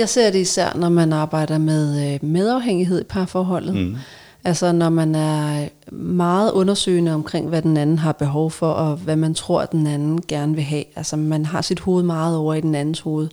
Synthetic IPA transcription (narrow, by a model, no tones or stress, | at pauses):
jɑ̈ɪse̝ɐ̰d̥e̝isæɐ̰nɒmænɑ̈ːb̥ɑ̈ɪ̰d̥ɐmeðˠmeð̞ˠɑ̈ʊɦeŋ̰iɦe̝ð̞̰ˠipʰɑ̈fɒːɦɒ̽l̰ð̩ˠ | ʔælsɐnɒmænæɐ | mɑ̈ːð̩ˠʔɔ̽nɐsø̰ːɪnəɒ̽mkʰʁeŋ̰ʋæd̥enænn̩ɦɑ̈b̥e̝ɦɒʊfɒ̽ʔɒ̽ʋæmænt͡sʰʁo̝ɐ̰d̥enænn̩ɡ̥æɐnəʋe̝ɦɛ̰ːælsɐmænɦɑ̈sid̥ho̝ːð̩ˠmɑ̈ːð̞̩ˠɒʊ̰ɐid̥enænn̩sho̝ːð̞̩ˠ